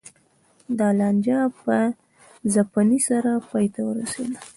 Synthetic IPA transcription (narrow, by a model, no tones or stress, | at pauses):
d̪ɑland͡ʒɑpə | zapanisaɾapɑjt̪awəɾasḛd̪a